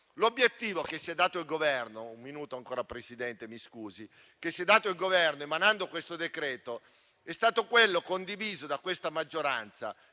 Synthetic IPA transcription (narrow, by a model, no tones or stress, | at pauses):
lobjet̪ːiːvokesːiɛd̪ːaːt̪oilɡovɛrnoumːinuːt̪oaŋkoːɾapɾesid̪ɛnt̪emiskuːzi | kesːiɛd̪ːaːt̪oilɡovɛrnoemanand̪okwest̪od̪ekɾɛːt̪o | ɛst̪aːt̪okwelːokond̪iviːzod̪akwest̪amad͡ʒːoɾa̰nt̪sa̰